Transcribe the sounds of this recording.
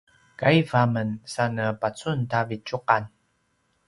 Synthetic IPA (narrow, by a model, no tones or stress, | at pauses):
kaivamənsanəpat͡suntavit͡ʃuqan